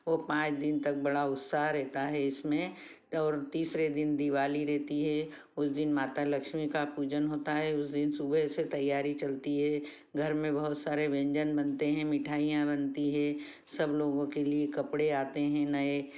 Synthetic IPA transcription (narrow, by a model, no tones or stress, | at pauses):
ʋoːpãːt͡ʃd̪ɪnt̪ɐk̚bɐɽaʊt̪saɦɾɛɦt̪aɦɛɪsmẽ | ɔːɾt̪iːsɾed̪ɪnd̪iʋaːliɾɛɦt̪iɦɛ | ʊsd̪ɪnmaːt̪alɐkʃmikapuːd͡ʒənɦoːt̪aɦɛʊsd̪ɪnsubəɦset̪ɐjːaːɾit͡ʃɐlt̪iɦɛ | ɡʱɐɾmẽbɐɦʊt̪saːɾeʋɛ̃ːɲd͡ʒənbɐnt̪eɦɛ̃mɪʈʰaːijãbɐnt̪iɦɛ̃ː | sɐbloːɡõkeliekɐpɽeaːt̪eɦɛ̃nɐe